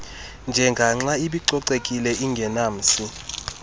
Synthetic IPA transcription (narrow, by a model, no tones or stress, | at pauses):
nd͡ʒʱɛŋɡʱaŋ͡ǁaiɓiǃɔǀekʼilɛʔiŋɡʱɛnaːm̩si